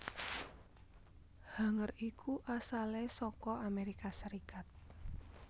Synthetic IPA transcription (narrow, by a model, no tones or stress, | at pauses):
ha̤ŋərikʰuʔasalesɔkɔʔameɾikasəɾikat̪̚